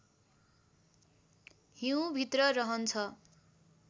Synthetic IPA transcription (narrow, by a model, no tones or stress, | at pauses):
ɦiw̃bʱit̪rʌrʌɦʌnt͡sʰʌ